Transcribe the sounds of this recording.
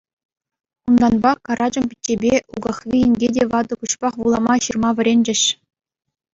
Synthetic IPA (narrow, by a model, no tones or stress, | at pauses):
und̪ɑnbɑkɑɾʔɑd͡ʑɤ̆mpʲitʲːebʲeṵɡɑχʋʲiɘ̆nʲɡʲedʲeʋɑd̪ɤ̆kuɕpɑχʋulˠɑmɑɕɯrmɑʋʲɘ̆ɾʲenʲd͡ʑɘ̆ɕ